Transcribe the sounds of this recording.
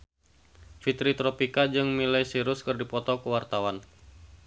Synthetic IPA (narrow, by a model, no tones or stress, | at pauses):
fit̪ɾit̪ɾɔpikad͡ʒɨŋmilajsiɾʊskɨrdipɔt̪ɔkəwart̪awan